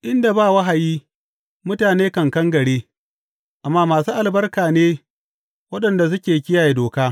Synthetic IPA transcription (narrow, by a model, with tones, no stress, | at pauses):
ʔɪ˦nda˨baː˦˨wɐ˦ɦa˨jiː˦ | mʊ˦taː˨neː˦kɐ˨ŋkɐ˦ŋɡɐ˨ɽeː˦ | ʔa˨mːaː˦maː˨suː˦ʔa˨lbɐ˦rkaː˨neː˦ | wɐ˦ɗɐ˨nda˨s̬ʊ˦kʲeː˨kʲɪ˦jaː˨je˨doː˨kaː˦